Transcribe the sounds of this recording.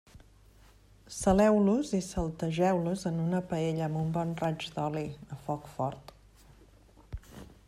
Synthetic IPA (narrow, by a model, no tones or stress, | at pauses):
səlɛwluzisəlˠt̪əʒɛwluzənunəpəeʎəːmbumbɔnrad͡ʒd̪ɔliðəfɔkfɔɾt̪